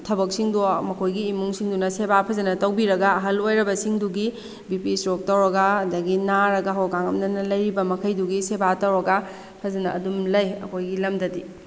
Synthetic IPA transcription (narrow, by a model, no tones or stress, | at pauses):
tʰɐbɐk̚siŋdumɐkʰojɡiːmuŋsiŋdunɐsebapʰɐzɐnɐtɐwbiɾɐɡɐɐɦɐlojɾɐbɐsiŋduɡi | bipistɾok̚tɐwɾɐɡɐɐdɐɡinaɾɐɡɐɦowɡaŋɐmnɐnɐlɐjɾibɐmɐkʰɐjduɡisebatɐwɾɐɡɐ | pʰɐzɐnɐʔːdumlɐjɐ̰kʰojɡilɐmdɐdi